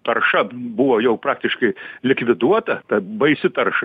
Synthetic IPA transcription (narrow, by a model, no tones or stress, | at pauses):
t̪ɐrʃɐbʊʋoːjɛʊpɾɑːkt̪ʲɪʃkɐɪlʲɪkʋʲɪd̪uɔt̪ɐt̪ɐbɐɪsʲɪt̪ɐrʃɐ